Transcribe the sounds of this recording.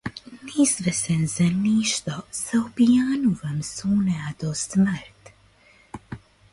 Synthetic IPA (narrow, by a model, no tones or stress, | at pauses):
nizʋɛsɛnzaniːʃt̪ɔsaɔpijaːnuvəmsuːnɛad̪ɔsməɾt̪